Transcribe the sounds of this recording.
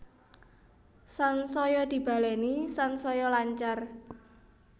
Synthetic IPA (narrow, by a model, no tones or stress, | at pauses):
sansɔjɔd̪̥i̤b̥a̤lɛnisansɔjɔlaɲt͡ʃar